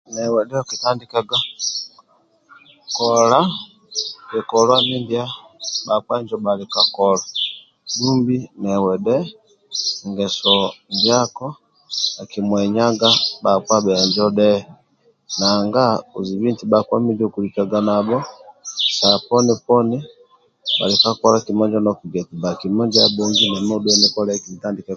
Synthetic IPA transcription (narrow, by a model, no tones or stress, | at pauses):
nɛwɛɗɛkitandikaɡa | kɔla | jɛkɔlwamindja | ɓakwaɲd͡ʒɔɓalikakɔla | dumbinɛwɛɗɛ | ŋɡɛsɔndjakɔ | akimwɛɲaɡabakwabɛaɲd͡ʒɔdɛ | naŋɡauzibintibakwamid͡ʒiukulit͡ʃaɡanabɔsapɔnipɔni | ba̰likakɔlakimɔɲd͡ʒɔnɔkiɡɛtibakimɔɲd͡ʒabɛŋɡinɛmɔduɛnɛkɔlɛkitandikɛ